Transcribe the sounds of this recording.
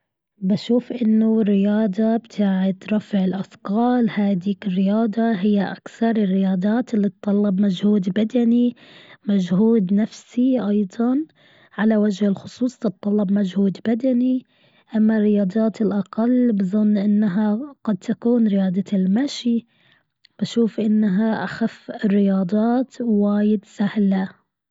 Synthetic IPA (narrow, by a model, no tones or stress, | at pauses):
baʃuːfʔɪnːʊrːɪjɑːd̪ˤɑbt̪ʰaːʕɪt̪ɾˤɑfɪʕɪlʔafqɑːlhaːd̪iːkɪrːɪjɑːd̪ˤɑɦɪjːaʔakθɑɾˤɪrːɪjɑːd̪ˤaːt̪ɪlːit̪ˤːɑlːɑbmad͡ʒhuːd̪bad̪animad͡ʒhuːd̪nafsiʔɑjd̪ˤɑn | ʕalawad͡ʒhɪlxʊsˤuːsˤt̪ɨt̪ˤːɑlːɑbmad͡ʒhuːd̪bad̪ani | ʔamːarːɪjɑːd̪ˤɑːt̪ɪlʔɑqalːbɨzˤɨnːʔɪnːaɦaɡ̥ɑd̪̚t̪akuːnɾɪjɑːd̪ˤɑɪlmaʃi | b̥aʃuːfʔɪnːaɦaʔaxafːɪrːɪjɑːd̪ˤɑːt̪waːjɪd̪sahla